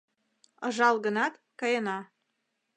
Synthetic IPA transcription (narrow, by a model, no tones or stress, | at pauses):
ɤ̆ʒɑlɣə̆nɑt̪kɑjɤnɑ